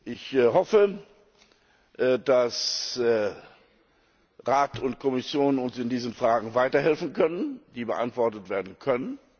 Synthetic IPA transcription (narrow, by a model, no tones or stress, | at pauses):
ʔɪçɦɔfə | d̥as | ʁaːtʰʊntkʰɔmɪsjoːnʊnsɪndiːzənfʁ̥aːɡŋ̩vaɪtɐɦɛlfn̩kʰœnənd̥iːbəʔa̰ntv̥ɔɐtətv̥eːɐdn̩kʰœnən